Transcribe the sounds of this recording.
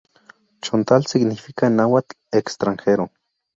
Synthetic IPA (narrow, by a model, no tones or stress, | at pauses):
t͡ʃont̪alt͡sikniwikainawat͡ɬ | ekst̪ɾaŋxeɾo